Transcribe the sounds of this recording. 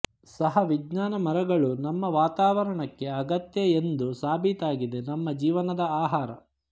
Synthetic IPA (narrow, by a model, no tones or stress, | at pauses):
sɐɦɐʋid͡ʒɲaːnɐmɐɾɐɡɐɭunɐmːɐʋaːt̪aːʋɐɾɐɳɐkːe̞ɐɡɐt̪jɐend̪usaːbʱit̪aːɡid̪e̞nɐmːɐd͡ʒiːʋɐnɐd̪ɐaːɦaːɾɐ